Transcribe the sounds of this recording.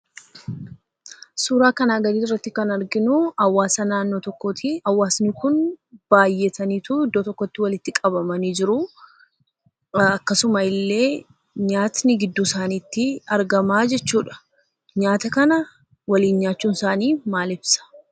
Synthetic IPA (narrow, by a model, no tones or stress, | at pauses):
suːɾaːkɐnaːɡɐd̪iːrːɐt̪ːɪkɐnɐɾɡɪnʊɐwaːsɐnaːnːo̞ːt̪ɔkːoːt̪iɐwːaːsnɪkʊnb̥aːjːɛt̪ʰɐniːt̪uɪd̪ːoːt̪ɔkːɔt̪ːɪwɐlɪt̪ːɪkʼɐbɐmɐniːd͡ʒɪɾʊ | ɐkːɐsʊmɐɪlːe̞ː | ɲaːt̪nɪɡɪd̪ːuːsaːniːt̪ːɪɐɾɡɐmaːd͡ʒɛt͡ʃːuːᶑɐ̥ | ɲaːt̪ɐkɐnɐ | wɐliːnɲaːt͡ʃːuːnsaːniːmaːlɪb̥sɐ̥